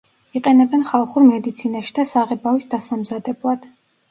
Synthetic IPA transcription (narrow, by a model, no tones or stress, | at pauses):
iqʼɛnɛbɛnχalˠχuɾmɛd̪it̪sʰinaʃi̥d̪̥asaʁɛbavisd̪asamzad̪ɛblˠad̪̥